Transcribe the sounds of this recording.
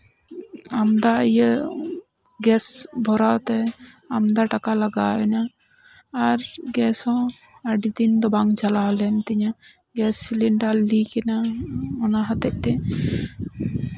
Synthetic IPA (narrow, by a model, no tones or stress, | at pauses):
amd̪aijə | ɡɛsbʱɔɾat̪ɛ | amd̪aʈakalaɡa̰ɛnaː | ɾɡɛsɔ̃ | aɖid̪ind̪ɔbaŋd͡ʒalaɔlɛnt̪iɲa | ɡɛsːiliɳɖalikɛnaɔnaɦat̪ɛʔ̚ˀt̪ɛ